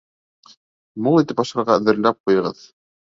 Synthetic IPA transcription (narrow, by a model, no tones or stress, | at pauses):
mulˠit̪ɘpɑʃɑ̆ɾʁɑɵ̆ðɘ̆ɾlæp̚qujɤ̆ʁɤð